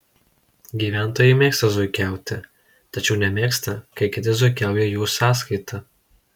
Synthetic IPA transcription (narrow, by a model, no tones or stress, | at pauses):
ɡʲiːʋʲæˑnt̪oːjɛɪmʲeːkst̪ɐzʊɪkʲæˑʊt̪ʲɪ | t̪ɐt͡ʃʲɛʊnʲɛmʲeːkst̪ɐkɐɪkʲɪt̪ʲɪzʊɪkʲæˑʊjɛjuːsɑːskɐɪt̪ʰɐ